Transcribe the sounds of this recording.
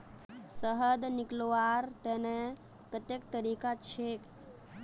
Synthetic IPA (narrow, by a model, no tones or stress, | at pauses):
səɦəd̪nɪkloaɾt̪ene | kət̪ek̚t̪əɾiːkat͡ʃʰek